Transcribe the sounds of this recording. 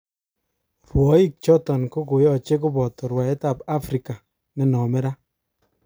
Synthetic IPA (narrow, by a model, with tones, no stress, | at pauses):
fwɔ˨˦i˦k̚t͡ʃɔ˦tɔ˨nko˦ko˨jɔ˦˨t͡ʃe˦ko˦bɔ˨tɔ˨ɾwa˨ɛ˦ta˨pa˦fɾi˨ka˨ | nɛ˨nɔ˨mɛ˦ɾa˦